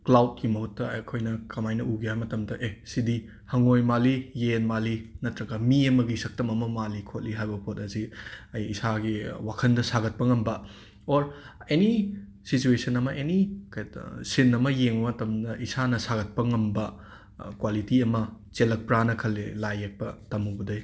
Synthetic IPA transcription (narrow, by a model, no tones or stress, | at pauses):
klawt̚kimɐɦutːɐɐkʰojnɐkɐmajnɐʔuɡiɦajmɐtɐmdɐʔesidi | hɐŋojmalijenmalinɐtɾɐɡɐmiɐmɐɡisɐk̚tɐmɐmɐmalikʰot̚liɦajbɐpʰot̚ɐziɐjːsaɡiwakʰɐndɐsaɡɐt̚pɐŋɐmbɐ | oɾeni | sit͡ʃuesɐnɐmɐʔenikajsinːɐmɐjeŋɐmɐtɐmdɐʔisanɐsaɡɐt̚pɐŋɐmbɐ | kwalitiɐmɐt͡ʃelɐk̚pɾanɐkʰɐlːelajek̚pɐtɐmubɐdɐj